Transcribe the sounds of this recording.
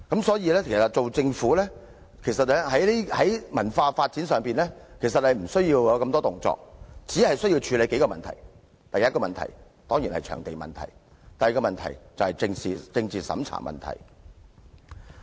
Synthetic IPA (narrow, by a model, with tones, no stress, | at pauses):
kɐ˨˥msɔː˨˥jiː˨˧lɛː˥kʰe˨˩sɐ˨t̚t͡so˨wt͡sɪ˧ŋfuː˨˥lɛː˥ | kʰe˨˩jsɐ˨t̚lɛ˥hɐ˨˥jli˥hɐ˨˥jmɐ˨˩nfaː˧faː˧t̚t͡siː˨˥nsœː˨˩ŋpiː˨nlɛː˥kʰe˨˩js̬ɐ˨t̚hɐ˨jm̩˨˩sɵ˥ɥjiː˧wja˨˧wkɐ˧mt̪ɔː˥t̪ʊ˨ŋt͡sɔ̰ː˧k̚t͡siː˨˥hɐ˨jsɵ˥ɥji˧wt͡ʃʰyː˧le˨˧jke˨˥jkɔː˧mɐ˨nt̪ʰɐ̰˨˩j | t̪ɐ˨jɐ˥t̚kɔː˧mɐ˨nt̪ʰɐ̰˨˩j | t̪ɔː˥ŋji˨˩nhɐ˨jt͡ʃʰœ̰ː˨˩ŋt̪e˨jmɐ̰˨nt̪ʰɐ̰˨˩j | t̪ɐ˨jkɔː˧mɐ˨nt̪ʰɐ˨˩jt͡sɐ˨whɐ˨jt͡sɪ˧ŋsiː˨t͡sɪ˧ŋt͡siː˨sɐ̰˨˥mt͡sʰa̰ː˨˩mɐ̰˨nt̪ʰɐ̰˨˩j